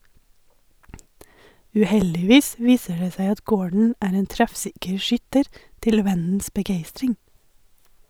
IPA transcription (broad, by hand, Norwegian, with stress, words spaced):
ʉːˈhɛldɪˌʋiːs ˈʋiːsə ˈɖeː ˈsæɪ ˈɑt ˈɡoːɖɳ̩ ˈæːɾ ˈeːn ˈtɾɛfˌsɪkəɾ ˈʃʏtəɾ ˈtɪl ˈʋɛnn̩s bəˈɡeɪstɾɪŋ